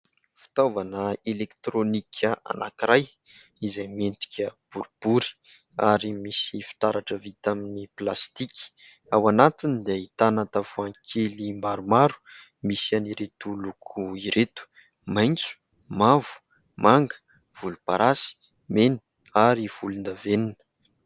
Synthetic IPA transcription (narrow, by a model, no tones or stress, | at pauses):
fi̥t̪avanəelekt̪ɾonikʲʰəʔa̰na̰kiɾaj | izajment̪i̥kʲəb̥uɾib̥uɾi̥ | a̰ɾimisifi̥t̪aɾaʈ͡ʂəvit̪aminiplast̪iki̥ | awanat̪ind̪ait̪anat̪avoãŋkʰelimbaɾumaɾu̥ | misianiɾet̪ulukʰuiɾet̪u̥ | majnt͡su̥ | mavu̥ | maŋɡə̥ | v̥ulupaɾʔasi̥ | meni̥ | aɾiv̥ulund̪aveninə̥